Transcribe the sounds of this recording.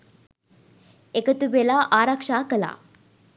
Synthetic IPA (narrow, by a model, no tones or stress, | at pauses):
ekət̪ubelaʔaɾakʂakəla̰